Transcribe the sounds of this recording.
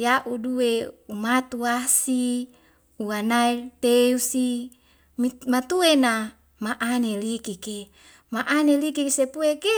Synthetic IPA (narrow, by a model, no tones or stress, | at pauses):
jaʔuduweumat̪uasi | uanairt̪eusi | mimat̪uena | maʔanelikike | maʔanelikiksepueke